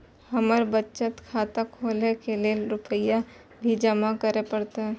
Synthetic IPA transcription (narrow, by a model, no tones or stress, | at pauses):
həməɾbətːʃət̪kʰaːt̪akʰoːlekeleɾʊpəja | bʱid͡ʒəmakəɾepəɽt̪eɦɛ̃ː